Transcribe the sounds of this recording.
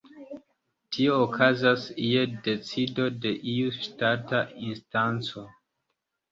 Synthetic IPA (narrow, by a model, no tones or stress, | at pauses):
tʰioːkʰazasiede̞t͡sido̞de̞ʔiuʃtatainstant͡so̞